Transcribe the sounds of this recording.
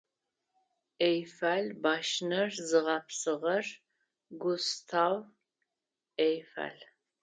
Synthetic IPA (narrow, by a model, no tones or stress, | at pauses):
ejfaːlbaːʃnɐrzɨʁɐpsɨʁɐr | ɡʷʊstʰaːw | ejfa̰l